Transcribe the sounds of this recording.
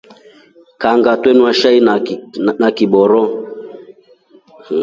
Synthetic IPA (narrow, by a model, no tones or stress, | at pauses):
kaŋɡatwɛnuaʃainakiɓɔɾɔ